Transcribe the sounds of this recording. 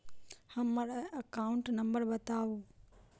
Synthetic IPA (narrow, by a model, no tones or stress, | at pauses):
hɐmːɐɽɐkaːʊɳʈnɐ̃mbəɾbɐt̪aːoː